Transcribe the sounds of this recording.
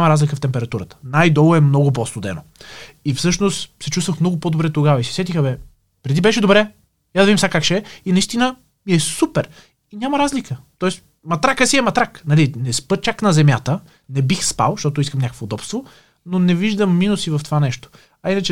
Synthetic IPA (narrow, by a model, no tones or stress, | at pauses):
aməɾazlʲikəft̪ɛmpɛɾɐt̪uɾət̪ə̥najd̪ɔlˠʊɛmnɔɡʊpɔst̪od̪ɛ̰noifsɤʃnost̪sɛt͡ʃust̪vəxmnɔɡʊpod̪obɾɛt̪oɡavɐisi̥sɛt̪ixɐbɛ | pɾɛd̪ibɛʃɛd̪obɾɛ | jad̪ɐvid̪imsakakʃɛinɐist̪inə | miɛsupɛɾ | inʲaməɾazlikət̪ɔɛs | mɐt̪ɾakəsiɛmɐt̪ɾaknɐlinɛspɤt͡ʃaknɐzɛmʲjat̪ə | nɛbixspa̰lˠʃt̪ɔt̪ʊis̬kəmnʲakəkfoːd̪ɔpst̪vo | nonɛviʒd̪əmːinusivəft̪ovanɛʃt̪o̥ | ɐinɐt͡ʃɛ